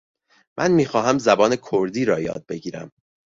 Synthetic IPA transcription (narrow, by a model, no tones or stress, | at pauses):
mʔænmiːxɒːɦæmzæbɒːne̞kʰoɾd̪iːɾɒːjɒ̰ːd̪̚be̞ɟiːɾæ̰m